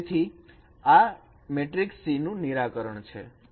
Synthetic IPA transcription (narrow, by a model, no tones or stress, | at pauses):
t̪ʰi | a | meʈɾiksinũniɾakəɾəɳt͡ʃʰḛ